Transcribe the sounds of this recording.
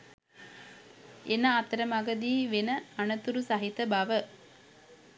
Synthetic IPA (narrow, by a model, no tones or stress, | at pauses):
enaːt̪əɾəmaɡəd̪iːʋenəanət̪uɾusaɦit̪əbaʋə